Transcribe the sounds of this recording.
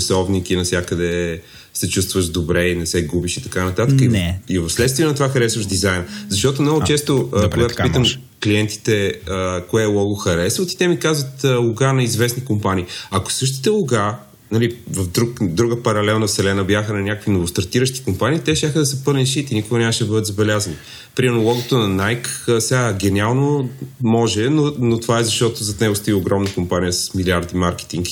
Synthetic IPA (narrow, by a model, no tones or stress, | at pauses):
sɔvnik̟inɐsʲjakəd̪ɛ | sɛt͡ʃust̪vəʒd̪obɾɛinɛsɛɡubiʃit̪ɐkanɐt̪at̪əkəiivɐfslɛt̪st̪viɛnɐt̪ovaxɐɾɛsvəʒd̪izajnzɐʃt̪ɔt̪omnɔɡʊt͡ʃɛst̪okoɡɡatopit̪əm | kliɛnt̪i̥t̪ɛəkoɛːlˠɔɡoxɐɾɛsvət̪i̥t̪ɛmikazvət̪əlˠʊɡanɐizvɛsnikompaniːɐko̥sɤʃt̪i̥t̪ɛlˠʊɡa | nɐlivɐfd̪ɾukd̪ɾuɡəpɐɾɐlɛlˠnəsɛlɛnəbjaxənɐnʲakəkvinovʊst̪ɐɾt̪iɾəʃt̪i̥kompaniːt̪ɛʃt̪ʲjaxəd̪ɐsəpɤlʲnʲit̪ʃit̪inikʊɡɐnʲaməʃd̪ɐbɤd̪ət̪zɐbɛlʲazɐni | pɾʲimɛɾnolˠɔɡot̪onɐnajkːsɛaɡɛnʲialˠnomɔʒɛnonot̪ovaɛzɐʃt̪ɔt̪ozɐt̪nɛɡʊst̪oioɡɾɔmnəkompanijəsɐ̥smiliaɾd̪imaɾkɛ̥t̪iŋk